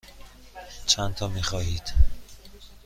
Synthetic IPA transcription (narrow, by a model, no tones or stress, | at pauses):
t͡ʃʰænt̪ʰɒːmiːxɒːhiːd̪̥